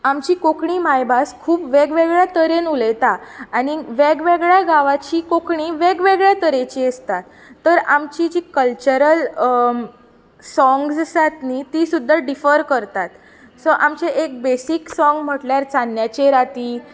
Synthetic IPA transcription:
amt͡ɕiːkokɳiːmajbaskʰuːpʋeɡʋeɡɭjat̪əɾenulejt̪aːɽ̃iʋeɡʋeɡɭjaɡaʋat͡ɕiːkokɳiːʋeɡʋeɡɭjat̪əɾet͡ɕiːəst̪at̪ː | əɾamt͡ɕid͡ʑiːkəlt͡ɕəɾəl | sɔ̃ŋɡssat̪nit̪iːsud̪ʱːaɖifəɾkəɾt̪at̪ | sɔʔamt͡ɕeʔek̚besiksɔ̃ŋɡm̤əʈljaɾt͡sanjat͡ɕeɾat̪iː

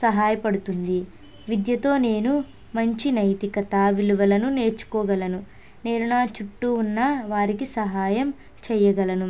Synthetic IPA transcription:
sɐɦaːjɐpɐɽut̪und̪i | ʋid̪jɐt̪o̞ːne̞ːnu | mɐɲt͡ʃinɐjt̪ikɐt̪aːʋiluʋɐlɐnune̞ːɾt͡ʃu̥kɔːɡɐlɐnu | neːɾunaːt͡ʃuʈːuːnːaʋaːɾikisɐɦaːjɐm | t͡ʃɛjɐɡɐlɐnu

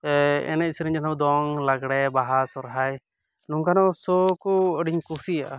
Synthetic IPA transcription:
ɛ̰nɛisɾiɲd͡ʒat̪ʰabd̪ɔŋlaɡɽɛbaɦasɔɾɦaj | nuŋkanɔsɔkɔəɖiɲkusijaʔa

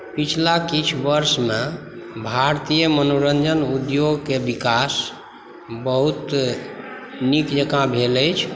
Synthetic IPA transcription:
pit͡ʃʰlakit͡ʃʰbəɾsme | bʱaɾt̪ijəmənoɾənd͡ʒənud̪joɡkebikas | bəɦut̪ | nikd͡ʒəkãbʱeləjt͡ʃʰ

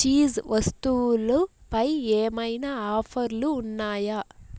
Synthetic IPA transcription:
t͡ʃiːzʋɐst̪ulupɐjeːmɐjnaaːpʰɐɾluːnːaːjɐ

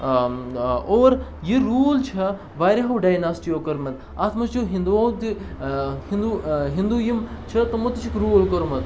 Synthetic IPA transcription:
oːɾjiɾuːlt͡ʃʰɐ | ʋaːɾʲɐɦɐwɖajnaːsʈijoːkɐɾmɐn | aːt̪mɐt͡ʃʰuɦind̪uɐwt̪i | hind̪uɦind̪ujɐmt͡ʃʰɐt̪ɐmɐt̪ːit͡ʃʰikɾuːlkɐɾmɐn

